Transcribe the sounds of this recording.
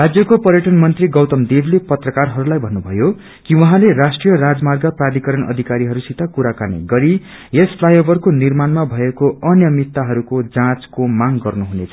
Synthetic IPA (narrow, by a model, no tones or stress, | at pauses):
rad͡zjʌkopʌrjʌʈʌnmʌnt̪riɡʌwt̪ʌmd̪iɾlepʌt̪rʌkarɦʌɾulajbʱʌnːubʱʌjo | kiwʌɦãleɾasʈrijʌrad͡zmarɡʌprad̪ikʌɾʌnʌ̰d̪ʱikaɾiɦʌɾusit̪akuɾakanḭɡʌɾi | jesplajʌbʱʌrkonirmanmabʱʌekoʌnjʌmit̪ːaɦʌɾukod͡zãt͡skomaŋɡʌrnuɦunet͡sʰʌ̥